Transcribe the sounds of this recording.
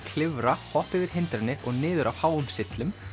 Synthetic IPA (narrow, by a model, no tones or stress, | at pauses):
kʰl̥ɪvɾahɔhpɪvɪɾ̥ɦɪnt̪ɾɪnːɪɔɣnɪːðʏɾʔawhaːwʏmsɪt̪lʏm